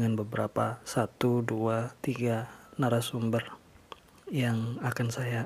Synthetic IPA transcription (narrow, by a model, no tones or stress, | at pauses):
ŋanbəbəɾapasat̪uduat̪iɡanaɾasumbər | jaŋakansaja